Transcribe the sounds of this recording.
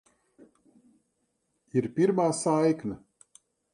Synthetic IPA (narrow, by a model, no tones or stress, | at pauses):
iɾpʲiɾmaːsajkna